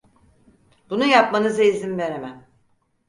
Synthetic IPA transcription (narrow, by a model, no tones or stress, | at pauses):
bunujapmanɯzaizimve̞ɾemæm